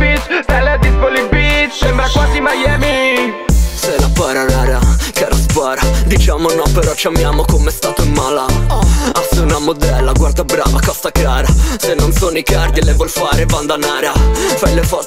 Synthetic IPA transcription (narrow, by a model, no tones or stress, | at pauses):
it͡ʃt̪ɛlead̪ispolibit͡ʃsɛmbɾakwaːzimajɛːmi | selapaɾaɾaɾakaɾaspaɾad̪it͡ʃaːmonɔpːeɾɔt͡ʃiamjaːmokomɛst̪aːt̪oimːaːla | asunamod̪ɛlːaɡward̪abɾa̰ːvakɔst̪akaːɾasenːonsonoikard̪ilevwɔlfaːɾevand̪anaːɾafajlefɔ